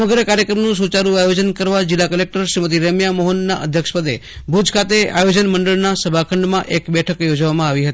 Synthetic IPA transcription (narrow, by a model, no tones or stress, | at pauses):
məɡɾəkaɾjəkɾəmnũs̬ut͡ʃaɾũajod͡ʒənkəɾʋad͡ʒɪlːakəlek̚ʈəɾʃɾimət̪̬iɾəmjamoɦənːa̰ʔə̰d̪ʱjəkʃpəd̪ebʱud͡ʒkʰat̪ea̰jod͡ʒənməɳɖəɭnasəbʱakʰəɳɖmãʔekbɛʈʰəkjod͡ʒʋamãaʋiɦət̪ii